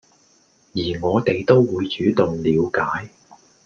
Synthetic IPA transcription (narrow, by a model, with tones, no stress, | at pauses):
jiː˨˩ŋɔː˨˧t̪e˨jt̪o˥wːuː˨˧jt͡ʃyː˨˥t̪ʊ˨ŋliː˨˧wkaː˨˥j